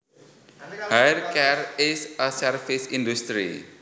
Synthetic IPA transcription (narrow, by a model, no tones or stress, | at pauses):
hajrkɛrɪsəsɛrfisindust̪ɾḭ